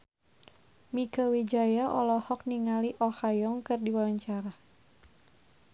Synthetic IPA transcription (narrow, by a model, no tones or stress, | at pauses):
mikəwid͡ʒajaʔɔlɔhɔk̚niŋaliʔɔhajɔŋkɨrdiwawaɲt͡ʃaɾa